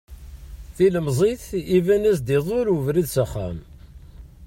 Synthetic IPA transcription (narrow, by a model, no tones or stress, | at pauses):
θiləmzˤiθivænæsd̪iðˤʊɾəvɾiðsæχːæ̰m